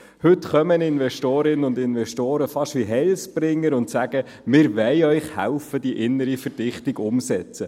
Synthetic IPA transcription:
hɵtχœmənɪnvɛʃtoːɾɪnənʊnd̪ɪnʋɛʃtoːɾəfɑʃʋiɦɛlspɾɪŋːəɾʊnt̪sæɡ̥ə | mɪːɾʋɛɪœʏχhæ̰lfəd̥iʔɪnːəɾifəɾd̥ɪχtɪɡʊmsɛt͡sə

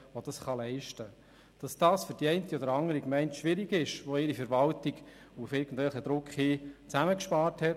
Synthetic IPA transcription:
ʋod̥ɑsχɑlɛɪʃtə | d̥ɑsd̥ɑːsfʏɾd̥iɛɪntiɔdəɾɑŋəɾikmɛɪntʃʋɪɾiɡɪʃʋoɪɾifɛɾʋɑltiɡ | ufɪɾɡən̩d̥vɛlχəd̪ɾʊkχhiːt͡sæməkʃpɑːɾthɛt

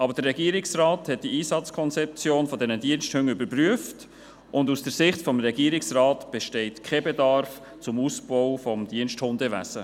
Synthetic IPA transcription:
ɑbəɾd̥ərːɛɡiəɾɪksraːthɛt̚d̥iiːsɑt͡skʰɔnt͡sɛp̚t͡sjoːnfɔdɛnədiənʃthøŋybəɾpɾyəft | ʔʊndusd̥əɾsɪχtfɔmɾɛɡiəɾɪksrɑːtb̥ɛʃteɪtkʰebedɑɾf | t͡sʊmuːsb̥ɔwfɔmdiənʃthʊndəvæ̰sə

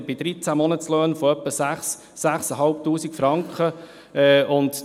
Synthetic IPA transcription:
bɪd̥̪ɾit͡sæmɔnətt͡sløːnfɔœpːəsæχsː | æχsəɦɑlp̚tuːsikfɾɑŋkχə | ɛʔʊnt̪

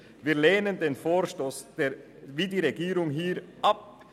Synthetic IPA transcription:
viːɐleːnəndeːnfoːʃtoːsd̥e | viːdiːʁeɡiːɾʊŋɦiːɾʔap̚

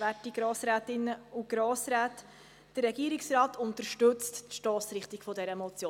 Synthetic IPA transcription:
vætiɡ̥ɾoːsɾæːt̪ɪnːəuɡ̥ɾoːsɾæːt | d̥ərːɛɡiːəɾɪksɾɑːt̪ʰʊntəɾʃtɵt͡stʃtɔːsɾɪχt̪iɡ̥fɔdɛɾəmɔt͡sjoː

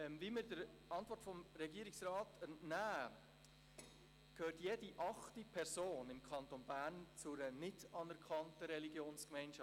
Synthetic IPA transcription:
ɛmviməɾdəɾ | ɑntvɔrtfɔmɾɛɡiəɾɪksrɑːtənnæː | kʰøːɾtjeːdiʔɑχtipʰɛɾsoːnɪmkʰɑntonbæːɾnt͡sʊɾənɪtɑnɛɾkʰɑntəɾɛliɡjoːnskmɛɪnʃɑ

